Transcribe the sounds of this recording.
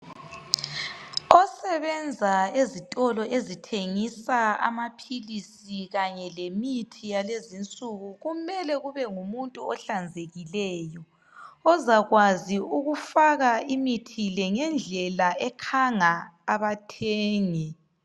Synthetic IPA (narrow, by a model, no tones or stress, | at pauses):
ɔsɛβɛnd͡zʱaezitʼɔlɔʔezitʰeŋisaa̰mapʰilisiɣaɲɛlemitʰijalezint͡sʼuɣuɣumɛlɛɣuβɛŋumuntʼuɔɬand͡zʱeɣilɛːjɔː | zaɣwaziuɣufaɣaimitʰilɛŋɛnd͡ɮʱɛlaɛkʰaŋaːβatʰeːŋi